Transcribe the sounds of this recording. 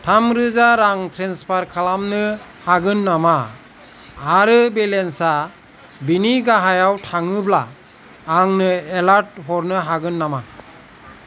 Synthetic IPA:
tʰamɾɯzaɾaŋtʰɾenspʰaɾkʰalamnɯ | haɡɯnːama | ɾɯbelensa | biniɡaɦajawtʰaŋɯblaː | ŋnɯelaɾt̚ɦɔɾnɯɦaɡɯnːama

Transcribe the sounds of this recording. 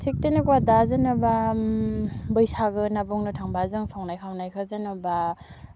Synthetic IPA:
tʰik̚tenikwadazɯnɯba | bɯjsaɡɯnabɔŋnɯtʰaŋbazɯŋsɔŋnajkʰawnajkʰazɯnɯba

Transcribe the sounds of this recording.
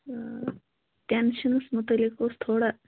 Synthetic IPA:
ʈenɕənsmut̪əlekost̪ʰoɽa

